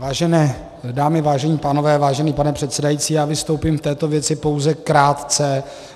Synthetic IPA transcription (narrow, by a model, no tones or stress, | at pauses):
vaːʒɛnɛː | daːmɪvaːʒɛɲiːpaːno̞vɛːvaːʒɛniːpanɛpr̝̥ɛt̪sɛdajiːt͡siːjaːvɪst̪owpimft̪ɛːt̪o̞vjɛt͡sɪpo̞wzɛkɾaːt̪t͡sɛ